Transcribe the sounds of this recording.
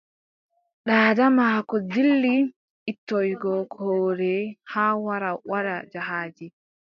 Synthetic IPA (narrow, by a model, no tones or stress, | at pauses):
ɗaːdamakɔdilːi | ʔitːɔjɡɔkʰɔːɾɛhaːwaɾawaɾad͡ʒaɦaːd͡ʒi